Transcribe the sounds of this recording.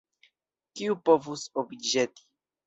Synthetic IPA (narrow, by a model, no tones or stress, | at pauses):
kiupovusobd͡ʒet̪i̥